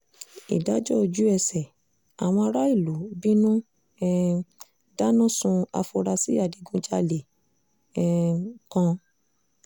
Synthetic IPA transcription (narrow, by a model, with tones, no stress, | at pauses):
ḭ˨da˨˦d͡ʒɔ˦o˧d͡ʒu˨˦ɛ˧sɛ˨ | a˨w̃ɔ̃˧a˧ɾa˦i˦˨lu˨˦bi˦nũ˦ | da˦nũ˦sũ˧a̰˧fo˧ɾa˧si˦a˦˨di˨˦ɡũ˧d͡ʒa˧le˨ | kã˧